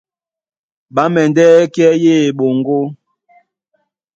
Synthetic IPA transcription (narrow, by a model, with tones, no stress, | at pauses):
ɓa˨˦mɛ˨ndɛ˦kɛ˦je˦˨ɓo˨ŋɡo˦